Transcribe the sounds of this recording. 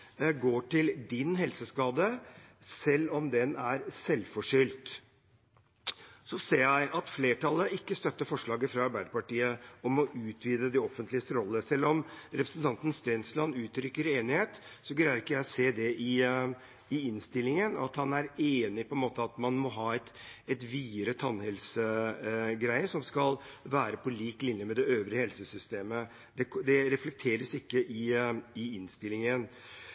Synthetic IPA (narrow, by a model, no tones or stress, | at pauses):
ɡoːʈɪld̪ɪnɦɛlsəskɑːd̪əsɛlːɔmd̪ɛnæɾsɛlːfɔʂʏlt̪ | sɔseːjæɪʔɑt̪fleːʈɑləʔɪkːəst̪œt̪ːəfɔʂɭɑːɡəfɾɑɑɾbæɪd̪əpɑʈiːəɔmɔʔʉːt̪ʰʋiːd̪əd̪ɛɔfənt̪lɪəst̪əɾɔlːəsɛlːɔmɾɛpɾə̥snt̪ʰɑnt̪ən̩st̪eːnslɑnʉːt̪ɾʏkːəɾeːnɪheːt̪sɔɡlæːəɾɪkːəjæɪɔseːd̪ɛʔɪ | ɪɪnst̪ɪlːɪŋənɔɑt̪hɑnæɾeːnɪpʰɔɛnmoːt̪əɑt̪mɑnmɔɦɑːɛt̪ɛt̪ʋiːɾət̪ʰɑnːhɛlsə | ɡɾæɪəsɔmskɑlʋæːɾəpʰɔliːklɪnjəmɛd̪ɛøːʋɾəhɛlsəsʏst̪eːmə | d̪ɛd̪ɛɾɛflɛk̚t̪ʰeːɾəsɪkːəʔɪɪɪnst̪ɪlːɪŋən